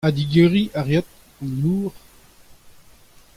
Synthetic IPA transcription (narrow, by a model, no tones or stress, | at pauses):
ad̪iɡeːʁiʔaʁjat̪̚ | ɑ̃nnuːʁ